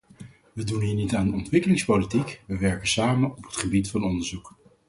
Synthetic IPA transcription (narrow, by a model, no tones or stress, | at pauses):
ʋədunɦiːɹnitaːndəɔntʋɪkəlɪŋspolitikʋəʋɛɹkənsaːmənɔpɦətχəbitfɑnɔndəɹzuk